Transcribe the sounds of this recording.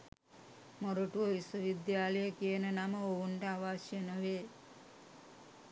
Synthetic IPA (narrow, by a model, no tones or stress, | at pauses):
moɾoʈuʋəʋiswəʋid̪jaːləjəkijənənaməowuɳʈəaʋaːʃjenəʋeː